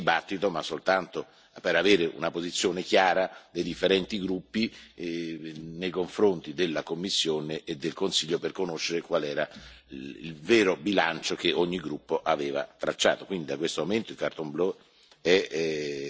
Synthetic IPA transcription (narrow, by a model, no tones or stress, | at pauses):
ibat̪ːit̪omasːolt̪ant̪o | peɾaveːɾeʔṵnapozit̪sːjoːnekjaːɾad̪ejd̪ifːeɾɛnt̪iɡɾupːi | nejkoɱfɾont̪id̪elːakomːisːjoːneʔːd̪ːelkonsiʎːoperkonoʃːeɾekwalɛːɾa | ḭlveːɾobilant͡ʃok̟eʔoɲːiɡɾupːoʔaveːva̰t̪ɾat͡ʃːa̰ːt̪okwind̪id̪akwest̪omoment̪oilkart̪omblɔ | ɛ